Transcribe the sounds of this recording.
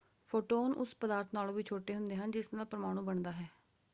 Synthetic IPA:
pʰoːʈoːnʔʊ̰spəd̪aːɾt̪ʰnaːlõːʋiːt͡ʃʰoːʈeːɦʊnd̪eːɦənd͡ʒɪsnaːlpəɾəmaːɽ̃ũːbəɳd̪aːɦɛː

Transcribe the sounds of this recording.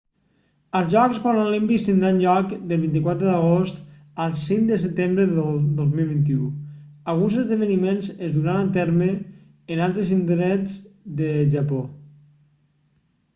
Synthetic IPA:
əlˠzʒɔkspɔɾənolimpist̪ind̪ɾanʎɔkd̪əlˠβint̪̬ikwat̪ɾəðəɣost̪ | alˠsiŋd̪əs̬ət̪embɾəðəd̪ozmilˠβint̪̬iualˠɣunzəzðəβənimenzəzðuɾanat̪ɛɾməː | nalˠt̪ɾəzind̪ɾɛd͡zd̪əʒapo

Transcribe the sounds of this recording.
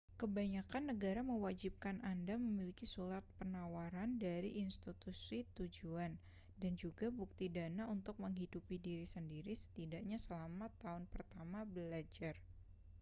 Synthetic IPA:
kəbaɲakanːəɡaɾaməwad͡ʒip̚kanʔandaməmilikisulat̪̚pənawaɾandaɾiʔinst̪it̪usit̪ud͡ʒuan | dand͡ʒuɡabuk̚t̪idanaunt̪ʊk̚məŋɦidupidiɾisəndiɾisə̥t̪idaʔɲasəlamat̪aʊnpərt̪amabəlad͡ʒar

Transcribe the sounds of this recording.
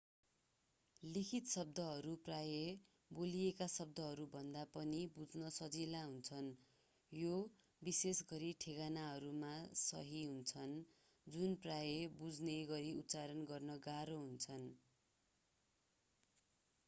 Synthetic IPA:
likʰit̪sʌb̚d̪ʌɦʌɾupraje | bolijekasʌb̚d̪ʌɦʌɾubʱʌnd̪apʌnibud͡znʌsʌd͡zilaɦunt͡sʰʌn | jo | bisesɡʌɾiʈʰeɡanaɦʌɾumasʌ̰ɦiɦunt͡sʰʌn | d͡zunprajebud͡zneɡʌɾiut̪ːt͡saɾʌnɡʌrnʌɡaɾoɦunt͡sʰʌn

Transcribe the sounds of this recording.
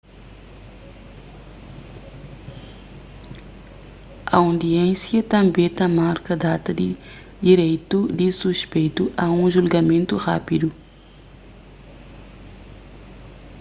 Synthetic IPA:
ɐ̰ũnd̪iẽnsjɐt̪ɐ̃mbet̪ɐmaɾkɐd̪aːt̪ɐd̪i | d̪iɾejt̪ud̪isuʃpejt̪uʔɐũʒulɡɐmẽnt̪uxa̰ːpid̪u

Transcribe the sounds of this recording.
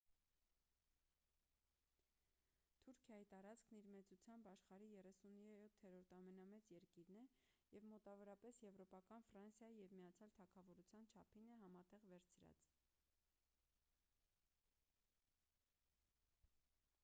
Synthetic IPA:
t̪ʰuɾkʰjɑjit̪ɑɾɑt͡skʰniɾmɛt͡sut͡sʰjɑmbɑʃχɑɾijɛrɛsunjɛɾɔt̪ʰːhɛɾɔɾt̪ʰɑmɛnɑmɛt͡sjɛɾkiɾnɛ | jɛvmɔt̪ɑvɔɾɑpɛsjɛvɾɔpɑkɑnfrɑnsjɑjijɛvmijɑt͡sʰjɑlt̪ʰɑkʰɑvɔɾut͡sʰjɑnt͡ʃʰɑpʰinɛɦɑmɑt̪ɛʁvɛɾt͡sʰɾɑ̰t͡s

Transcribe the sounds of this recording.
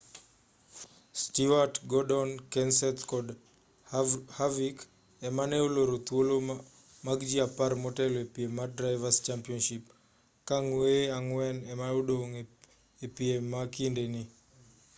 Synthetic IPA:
stiwatɡɔdɔnkɛnsɛt̪kɔd | havik | ɛmanɛoloɾot̪wolo | maɡd͡ʒiapaɾmɔtɛlɔepiemadɾaɪvast͡ʃampiɔnʃip | kaŋweaŋwɛnɛmaodoŋ | epiemakindeni

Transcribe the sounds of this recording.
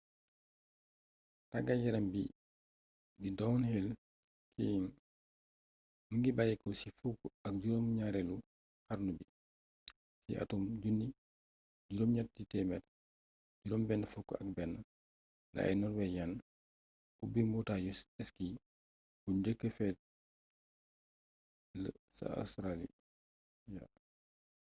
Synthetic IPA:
taɡaɟɛɾambi | didɔwnhel | kʰi | məŋɡibajikɔsifukːɐk̚ɟuɾomɲaɾɛlu | haɾnubi | sḭʔa̰tumɟunːi | ɟuɾɔmɲat̚ditɛmɛt | ɟuɾɔmbɛnːəfukːɐ̰k̚bɛnːə | la̰ɛ̰nɔɾwɛɟan | bubibutaɟusɛski | b̥uɲɟəkːəfɛt̚ | ləsa̰sɾalḭ | ja̰

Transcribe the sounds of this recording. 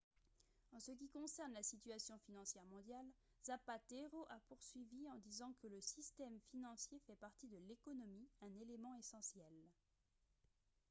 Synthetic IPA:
ɑ̃sək̬ʲikɔ̃sɛʁnlasit̪ɥasjɔ̃finɑ̃sjɛʁmɔ̃d̪jal | z̥apat̪eʁoʔapuʁsɥiviɑ̃d̪izɑ̃kələsist̪ɛmfinɑ̃sjefɛpaʁt̪id̪əlekɔnɔmiɛ̃nelemɑ̃esɑ̃sjɛl

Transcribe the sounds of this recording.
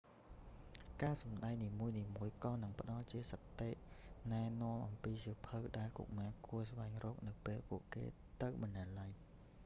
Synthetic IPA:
kaːsɑmɗaɛŋniːmuəjniːmuəjkɑːnɨŋpə̆ɗɑlt͡ɕiəsət̪ːeːʔnaɛnŏəmʔɑmpiːsiəpʰɨwɗaɛlkṵʔ̚maːkuəsʋaɛŋrɔːk̚nɨwpeːlpuəʔkḛː | t̪ɨwɓɑnːalaj

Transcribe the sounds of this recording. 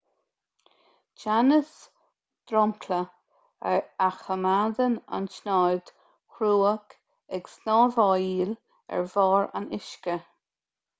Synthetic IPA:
t͡ʃanəs | d̪̥ɾɔmkʰlə | ɛɹaxəmad̪əna̰nʃnajd̪̥ | xɾuːək | ɛɡsnɔːvɑːiːl | ɛ̰ɹvɑːɹa̰nɪʃkə

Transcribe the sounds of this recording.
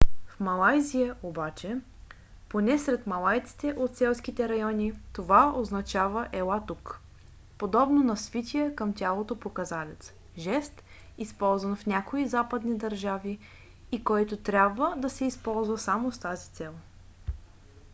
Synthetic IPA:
fmɐlˠajzijəʔobat͡ʃɛ | ponɛsɾɛt̪mɐlˠajt̪si̥t̪ɛʔot̪sɛlˠsk̟it̪ɛɾɐjɔnʲit̪ovaoznɐt͡ʃavəʔɛlˠat̪uk | pod̪ɔbnonɐsvit̪ʲiəkəmt̪ʲalˠot̪opokɐzalɛt̪s | ʒɛst̪ | ispɔlˠzvənfnʲakoizapəd̪nid̪ɐɾʒaviː | kɔjt̪ot̪ɾʲabvəd̪ɐsɛispɔlˠzvɐsamost̪azit̪sɛlˠ

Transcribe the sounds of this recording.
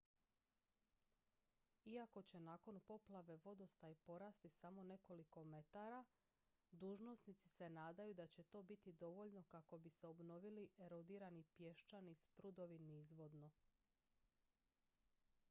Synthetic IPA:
iako̞t͡ɕe̞naːko̞npo̞plˠaʋe̞ʋo̞d̪o̞st̪aipo̞ɾaːst̪isamo̞ne̞ko̞liko̞me̞t̪aɾa | d̪uːʒno̞snit̪si̥se̞naːd̪ajud̪at͡ɕe̞t̪o̞ːbit̪id̪o̞ʋo̞ʎno̞kako̞bise̞obno̞ʋiliʔe̞ɾod̪iːɾanipje̞ʃt͡ʃanispɾud̪o̞ʋinizʋo̞d̪no̞

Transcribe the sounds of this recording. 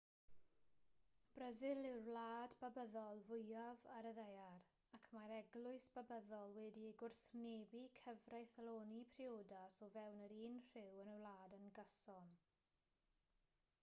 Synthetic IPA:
b̥rəzɪlˠɪrlˠaːdbabəðɔlˠvʊjavaɾəðejar | akʰmaɾɛɡlˠʊɨsb̥abəðɔlˠwɛdiɡʊrθneːbikʰəvrajθəlˠoːnipʰrioːdasɔvɛwnəɾiːnr̥ɪwənəlˠaːdənɡəsɔn

